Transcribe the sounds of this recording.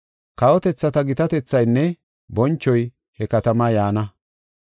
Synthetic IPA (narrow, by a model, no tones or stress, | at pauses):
kɐwɔt̪ɛt͡sːɐt̪ɐɡɪt̪ɐt̪ɛt͡sːɐjnːɛ | bɔnt͡ʃːɔj | hɛkɐt̪ɐmajaːnɐ